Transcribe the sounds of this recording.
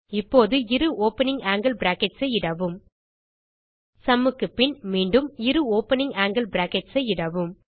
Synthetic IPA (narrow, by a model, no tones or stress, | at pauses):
ɪpːoːðɯɪɾɯoːpɐnɪŋaːŋɡɐlbɾaːkɛʈsɐɪɽɐʋɯm | sɐmːɯkːɯpɪɳmiːɳɖɯmɪɾɯoːpɐnɪŋaːŋɡɐlbɾaːkɛʈsɐɪɽɐʋɯm